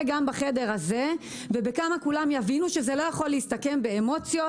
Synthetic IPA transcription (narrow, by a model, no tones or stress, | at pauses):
ɡambaχe̞de̞ʁhaze | vebekamakulamjavinuʃezelo̞jaχo̞lːeistake̞mbeemo̞t͡sjo